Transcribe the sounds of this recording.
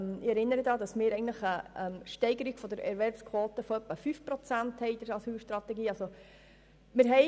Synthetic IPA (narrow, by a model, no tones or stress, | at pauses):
mɪɛɾɪnːəɾəd̪ɑːd̪ɑsmɪːɾɛɪɡəntləχəɛmʃtɛɪɡəɾiɡ̥fɔd̪əɾɛ̰ɾʋɛɾbskʰwɔːt̪əfɔœpːəfyfpɾɔt͡sænt̪hɛɪd̪̥əɾɑsyːlʃtɾɑt̪ɛɡiːɑlso | mɪɾɦɛ